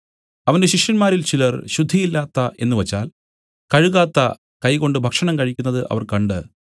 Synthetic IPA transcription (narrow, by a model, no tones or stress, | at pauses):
ɐʋɐnde̞ɕikʂjɐnmaːɾilt͡ɕilɐrɕud̪ʱːijilːaːt̪ːɐʔe̞̰nːɨʋɐt͡ɕːa̰ːl | kɐɻuɣaːt̪ːɐ̰ | kɐjko̞ɳɖɨbʱɐkʂɐɳɐmkɐɻikʲːunːɐðɨʔɐ̰ʋɐrkɐɳɖɨ